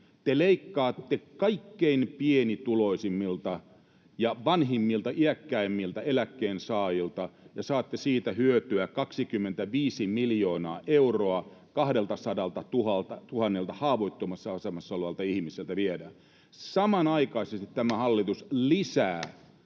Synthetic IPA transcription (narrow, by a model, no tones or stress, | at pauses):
t̪eleikːɑːt̪ːekɑikːeinpienit̪uloisimːilt̪ɑ | jɑʋɑnɦimːilt̪ɑʔiækːæimːilt̪ɑelækːeːnsɑːjilt̪ɑjɑsɑːt̪ːesiːt̪æhyøt̪yækɑksikymːent̪æʋiːsimiljoːnɑːʔeuroɑkɑhɾelt̪ɑsɑdɑlt̪ɑt̪uhɑlt̪ɑt̪uhɑnːelt̪ɑhɑːʋoit̪ːomɑsːɑɑsemɑsːɑoleʋɑlt̪ɑihmiselt̪æʋiedæ | sɑmɑnɑikɑisest̪it̪t̪æmæhɑlːit̪uslisæː